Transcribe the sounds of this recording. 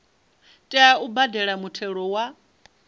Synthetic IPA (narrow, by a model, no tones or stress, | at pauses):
tʼɛaubadɛɺamutʰɛɺɔwa